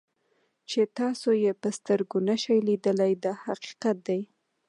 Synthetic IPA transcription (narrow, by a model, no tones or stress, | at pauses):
t͡ʃet̪ɑsojepəst̪əɾɡonaʃajlid̪əlajd̪ɑhaqi̥qat̪̚d̪aj